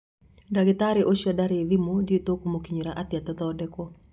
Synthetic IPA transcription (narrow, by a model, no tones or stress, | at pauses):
daɡɪt̪aɾeʔoʃjadaɾeðimodiet̪okomokiɲiɾaʔat̪ɪat̪ɔd̪ɔdɛkɔ